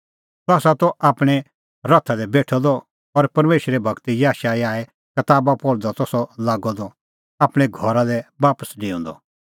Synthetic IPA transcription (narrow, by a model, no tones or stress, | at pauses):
t̪ɔaːsat̪ɔʔaːpɽ̃ɛ | ɾɐt̪ʰad̪ɛbeːʈʰɔd̪ɔ | ɔɾpɐɾmeːʃɾɛbʱɐɡt̪ijaːʃaiaːɛ | kɐt̪aːbapɔɽd̪ɔt̪ɔsɔlaːɡɔd̪ɔ | aːpɽ̃ɛɡʱɔɾad̪ɛbaːpəsɖĩːũːnd̪ɔ̰